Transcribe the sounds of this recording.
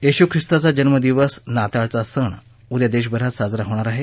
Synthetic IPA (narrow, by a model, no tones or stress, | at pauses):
jeɕukʰɾist̪at͡sad͡ʑənməd̪iʋəsnat̪aɭt͡sasəɳ | ud̪jad̪eɕ̬bʱəɾat̪sad͡zɾaɦoʋɳ̃aɾaɦe